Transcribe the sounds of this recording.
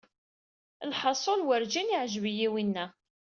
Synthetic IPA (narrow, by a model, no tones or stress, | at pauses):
lħɑsˤolwəɾd͡ʒiniʕʒvijiwinːæ